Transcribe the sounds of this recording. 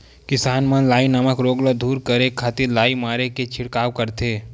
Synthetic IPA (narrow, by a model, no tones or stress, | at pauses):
kɪsaːnmɐnlaːinəməkɾoːɡləd̪ʱuːɾkəɾekʰaːt̪ɪɾlaːimaːɾeket͡ʃʰɪɽkaːwkəɾt̪ʰeː